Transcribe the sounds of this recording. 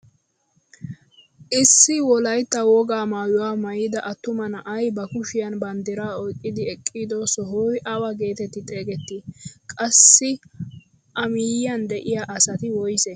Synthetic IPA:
ʔɪsːɪwɔlɐjt̪ːɐwɔɡaːmaːjʊwaːmɐjid̪ɐʔɐt̪ːʊmɐnɐʔɐjbɐkʊʃɪjɐnbɐnd̪ɪɾaːɔjkʼːɪd̪ɪɛkʼːid̪ɔsɔɦʊjʔɐwɐɡe̞ːt̪ɛt̪ːɪt̪ʼe̞ːɡɛt̪ːɪkʼɐsːɪ | ʔɐmɪjɪjɐnd̪ɛʔɪjaʔɐsɐt̪ɪwɔjsɛ

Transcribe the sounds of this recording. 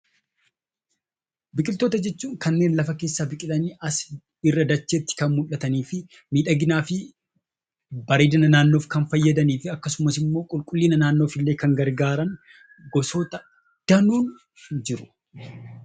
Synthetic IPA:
bɪkʼɪlt̪oːt̪ɐd͡ʒɛt͡ʃːuːŋkɐnːe̞ːnlɐfɐke̞ːsːaːbɪkʼɪlɐniːʔɐs | ɪrːɐd̪ɐt͡ʃːeːt̪ːɪ̥kɐnmʊlːɐt̪ɐniːfɪ | miːᶑɐɡɪnaːfɪ | bɐɾeːd̪ɪnɐnaːnːoːfkɐnfɐjːɐd̪ɐniːfɪɐkːɐsʊmɐsɪmːo̞ːkʼʊlkʼʊlːiːnɐnaːnːo̞ːfɪlːe̞ːkɐŋɡɐɾɡaːɾɐn | ɡɔsoːt̪ɐ | d̪̥ɐnuːn | d͡ʒɪɾʊ̥

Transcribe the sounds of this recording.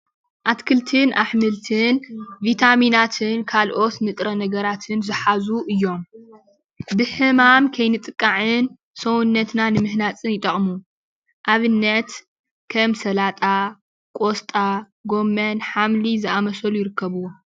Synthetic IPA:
ʔat̪kʰɨlt̪ʰɨnʔaħmɨlt̪ʰɨnvit̪ʰaminat̪ʰɨnkʰalʔo̞t̪mɨt̪ʼɾɐnɐɡɐɾat̪ʰɨnzɨħazuʔɨjːo̞m | bɨħɨmamkʰɐjnɨt̪ʼɨkʼːaʕɨn | sowunːɐt̪nanɨmɨhnat͡sʼɨnjɪt̪ʼɐχʼmu | ʔaβɨnːɐt̪ | kʰɐmsɐlat̪ʼa | kʼost̪ʼa | ɡo̞mːɐnħamlizɨʔamɐsɐlujɪɾɨkːɐβuwo

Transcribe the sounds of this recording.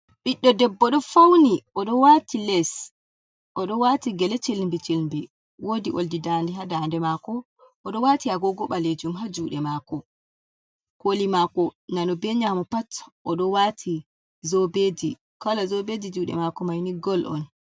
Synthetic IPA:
ɓiɗːɔdɛbːɔɗɔfawniʔɔɗɔwatilɛs | ʔɔɗɔwatiɡɛlɛt͡ʃilmbit͡ʃilmbi | wodiʔoldidandiɦadandɛmakɔ | ʔɔɗɔwatiaɡɔɡɔɓaled͡ʒumɦad͡ʒuːɗɛmakɔ | kolimakɔnanɔbɛɲamɔpatʔɔɗɔwatʰi | zɔbeːdi | kalazɔbedid͡ʒuːɗɛ̰makɔmajniɡɔlʔɔ̰n

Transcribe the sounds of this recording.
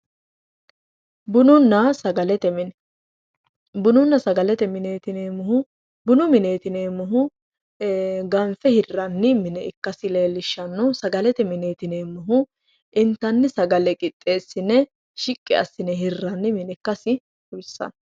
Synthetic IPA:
bʊnʊnːɐsɐɡɐlɛt̪ɛmɪn | bʊnʊnːɐsɐɡɐlɛt̪ɛmɪneːt̪ɪneːmʊhʊ | bʊnʊmɪneːt̪ɪneːmʊɦʊ | ɡɐmfɛhɪrːɐnːɪmɪnɛɪkːɐsɪle̞ːlːɪʃːɐnːɔsɐɡɐlɛt̪ɛmɪneːt̪ɪneːmʊɦʊ | ɪnt̪ːɐnːɪsɐɡɐlɛkʼɪt̪ʼːe̞ːsːɪnɛ | ʃɪkʼːɪ̰ɐ̰sːɪnɛɦɪrːɐnːɪmɪnɛkːɐsɪ | ʊbsːɐ̰n

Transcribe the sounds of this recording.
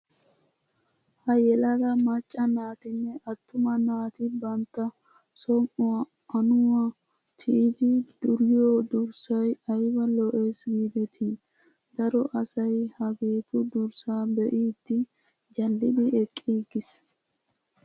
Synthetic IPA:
hɐjɛlɐd̪ɐmɐt͡ʃʼːɐnaːt̪ɪnːɛʔɐt̪ːʊmɐnaːt̪ɪbɐnt̪ːɐ | sɔmʔʊwa | ʔɐnʊwɐ | t̪ʰɪʔɪd̪ɪd̪̥ʊɾɪjoːd̪ʊɾsɐjɐjbɐlɔʔeːsɡiːd̪ɛt̪ʰi | d̪ɐɾɔʔɐsɐjhɐɡe̞ːt̪ʊd̪ʊɾsaːbɛʔiːd̪̥ːɪ | d͡ʒɐlːɪd̪ɪɛkʼːiːɡɪs

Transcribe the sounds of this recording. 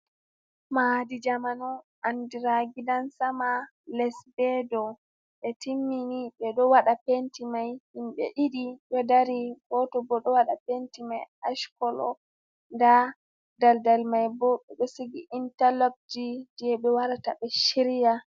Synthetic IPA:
madid͡ʒamanɔ | ʔandiɾaɡidansama | lɛsbɛdɔ | ɓɛtimːiniɓɛɗɔwaɗapentimajhimɓɛ̰ʔiɗiɗɔdaɾiɡɔtɔbɔɗɔwaɗapentimajaʃkɔlɔ̰ | nda | daldalmajbɔɓɛɓɛsiɡiʔintalop̚d͡ʒidijɛɓɛwaɾataɓɛʃiɾija

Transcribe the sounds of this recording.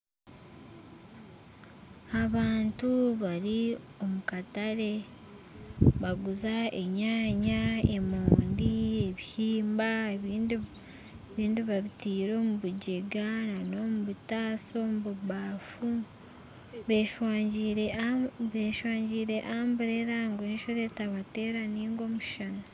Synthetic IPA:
aβaːntuβaɾi | o̞mukataɾe̞ | βaɡuzae̞̰ɲaːɲae̞moːndie̞βihiːmbaeβiːndi | eβiːndiβaβitiːɾo̞ːmuβuɟeɡanano̞muβutaːso̞mβuβaːfu | βeʃwaːɲɟiɾeβeːʃwaːɲɟiːɾe̞ʔaːmbuɾeɾaŋɡweːnʃo̞ɾetaβate̞ːɾaniːŋɡo̞muʃana

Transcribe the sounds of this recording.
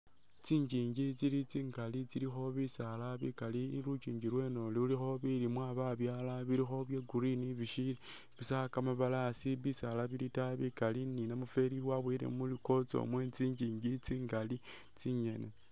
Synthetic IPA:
t͡siːɲd͡ʒiːɲɟit͡silit͡siːŋɡalit͡siɾixo̞βisalaβikaliɾut͡ʃiːɲɟiɾwe̞no̞liulixo̞βiɾimwaβaβjaːlaβiɾixo̞βjeɡuɾiniβiʃili | βisakamaβalasiβisalaβiɾitaβikalininamufe̞ɾiwaβwiɾḛmuliko̞t͡so̰mwet͡siːɲɟiːɲɟit͡siːŋɡali | t͡siɲe̞ne

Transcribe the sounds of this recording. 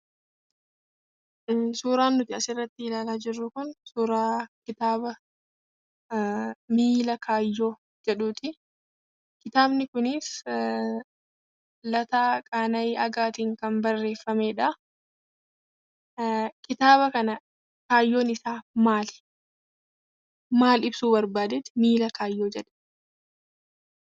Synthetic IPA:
suːɾaːnːʊt̪ɪɐsɪrːɐt̪ːɪɪlaːlaːd͡ʒɪrːʊkʊnsuːɾaːkɪt̪aːbɐ | miːlɐkʰaːjːo̞ː | d͡ʒɛᶑuːt̪ɪ | kɪt̪aːbnɪkʊnɪːs | lɐt̪aːkʼaːnɐjɐɡaːt̪iːŋkɐnbɐrːe̞ːfːɐmeːᶑɐ | kɪt̪aːβɐkɐnɐ | kaːjːo̞ːnɪsaːmaːl | maːlɪbsuːbɐɾbaːd̪ɛt̪ɪ̥miːlɐkʰaːjːoːd͡ʒɛᶑɐ̥

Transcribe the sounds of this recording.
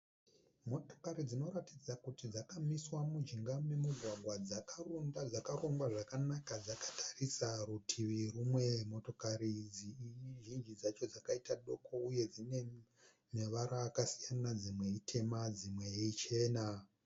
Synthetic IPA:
mo̞to̞̥kaɾid͡zino̞ratid͡zakutid͡zakamiswamud͡ʒiŋɡame̞muɡʱwaɡʱwad͡zakarondad͡zakaroŋɡwaʐakanakad͡zakḁtʰḁrisarutʰiʋirumwe̞mo̞to̞kaɾid͡ziʒind͡ʒid͡zat͡ʃo̞d͡zakaitaɗo̞kʰo̞ujed͡zine̞ | meʋaɾaːkasijanad͡zimwe̞itʰe̞mad͡zimwe̞jeit͡ʃe̞ːna

